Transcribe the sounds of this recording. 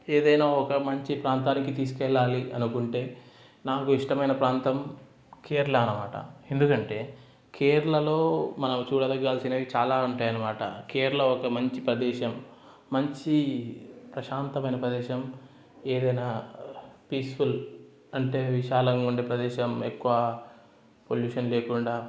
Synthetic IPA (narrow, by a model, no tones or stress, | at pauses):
eːd̪ɐjnaːɔkɐmɐɲt͡ʃipɾaːnt̪aːnikit̪iːs̬u̥kɛɭːaːliʔɐnukuɳʈe̞ː | naːkuiʂʈɐmɐjnɐpɾaːnt̪ɐm | keːɾulɐːnɐma̰ːʈɐ̰end̪ukɐɳʈe̞ː | kʰeːɾulɐlo̞ːmɐnɐmt͡ʃuːɽɐd̪ɐɡaːlsinɐd̪it͡ʃaːlaːuɳʈaːjɐnːɐmaːʈɐ̰keːɾulɐɔkɐmɐɲt͡ʃipɾɐd̪ɛːʃɐmː | ɐɲt͡ʃi | pɾɐʃaːnt̪ɐmɐjnɐpɾɐd̪ɛːʃɐm | eːd̪ɐjnaː | piːsful | ɐɳʈe̞ːʋiʃaːlɐŋuɳɖeːpɾɐd̪ɛːʃɐmekːuʋɐ | poljuːʂɐnleːkuɳɖaː